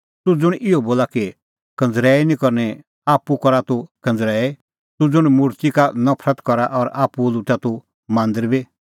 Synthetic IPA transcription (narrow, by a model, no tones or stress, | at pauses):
t̪ud͡zʊɽ̃ʔɪoboːlaki | kɐ̃nd͡zɾɛːinĩkɔɾnɛ | aːpːukɔɾat̪ukɐ̃nd͡zɾɛːe | t̪ud͡zʊɽ̃mʊɾt̪ikanɐpʰɾət̪kɔɾaʔɔɾaːpulut̪at̪u | mãːnd̪əɾbi